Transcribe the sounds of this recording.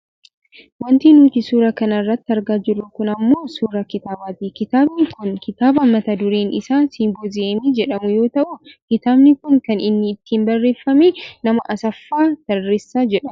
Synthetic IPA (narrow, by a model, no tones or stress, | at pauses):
wɔnt̪iːnuːt̪ɪsuːɾɐkɐnɐrːɐt̪ːɪɐɾɡaːd͡ʒɪrːʊkʊnɐmːo̞ːsuːɾɐkɪt̪aːbaːt̪ikɪt̪aːbnɪkʊnkɪt̪aːbɐmːɐt̪ɐd̪ʊɾeːnɪ̰saːnsiŋɡɔzɪeːmid͡ʒɛᶑɐmʊjo̞ːt̪ɐʔʊkɪt̪aːbnɪkʊŋkɐnɪnːɪːt̪ʰːiːmbɐrːe̞ːfːɐmeːnɐmɐʔɐsɐfːaːt̪ɐrːesːaːd͡ʒɛᶑɐm